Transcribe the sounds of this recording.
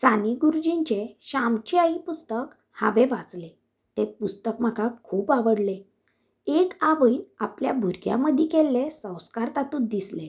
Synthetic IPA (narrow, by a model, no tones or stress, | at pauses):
t͡saniɡuɾud͡ʑiɲt͡ɕeɕamt͡ɕiaipust̪ək | ha̰ʋeʋat͡sle | t̪epust̪əkm̤əkakʰuːpaʋəɽle | ekaʋəina̰pljabʱuɾɡja̰məd̪ʱikelːesə̃w̃skaɾt̪at̪uːt̪̚d̪isle